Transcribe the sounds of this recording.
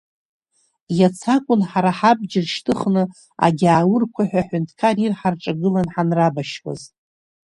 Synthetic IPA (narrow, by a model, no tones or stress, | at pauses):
jat͡sʰakʷʼʊnħaɾaħab̚d͡ʒɪrʃtʰɨχnɨ | a̰ɡʲaːwʊrkʷʰaħᶣaħʷʊntʰkʰarirħarʈ͡ʂʼaɡɨlanħanrabaʃkʼa̰z